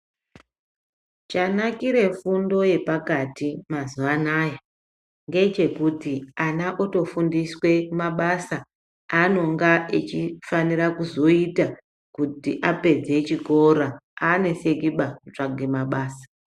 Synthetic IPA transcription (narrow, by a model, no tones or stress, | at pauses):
t͡ʃanakiɾe̞fundo̞je̞pakatimazuʋanaːja | ŋɡe̞t͡ʃe̞kutianaʔoto̞fundiswe̞maɓasa | ano̞ŋɡaʔet͡ʃifaniɾakuzo̞ita | kutiʔape̞d͡ze̞t͡ʃiko̞ɾaane̞se̞kiɓakut͡ʂaɡʱemaɓaːsḁ